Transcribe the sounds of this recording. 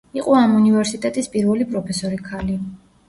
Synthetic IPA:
iqʼɔamunivɛɾsit̪ʼɛt̪ʼispʼiɾvɛlipʼɾɔpʰɛsɔɾikʰali

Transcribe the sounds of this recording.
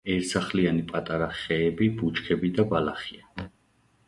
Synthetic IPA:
ɛɾsaχlianipʼat̪ʼaɾaχɛːbibut͡ʃʰkʰɛbid̪abalaχia

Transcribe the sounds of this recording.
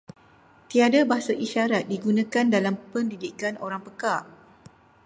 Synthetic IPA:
t̪iadabaɦasaʔiʃaɾat̪̚diɡunãkandalampəndidikanoɾaŋpəka

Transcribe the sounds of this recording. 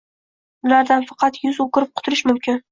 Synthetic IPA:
ʊlaɾd̪anfɑqʰɑt̪jʊzokʲɪɾɪp̚qʰʊ̥t̪ʰʊɾɪʃmʊmkʲʰɪn

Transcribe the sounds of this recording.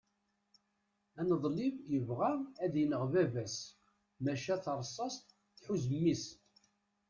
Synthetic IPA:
ænəðˤlɪvjəvʁaʁæðjənəʁvævæs | mæʃæθəɾˤsˤːɑst̪ | θħuzəmːis

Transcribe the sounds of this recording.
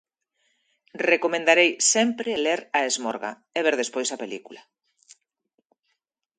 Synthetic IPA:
rekomẽnd̪aɾejsɛmpɾeleɾaezmoɾɣa̰ | eβ̞eɾðespojsapelikula

